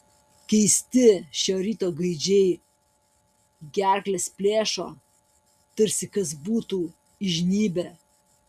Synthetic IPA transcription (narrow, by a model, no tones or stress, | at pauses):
kʲɛɪsʲt̪ʲɪʃʲoːɾʲiːt̪oːɡɐɪd͡ʒʲɛɪ | ɡʲæˑɾklʲespʲlʲeːʃo̰ː | t̪ɐɾʲsʲɪkɐsbuːt̪uː | ɪʒʲnʲiːbʲe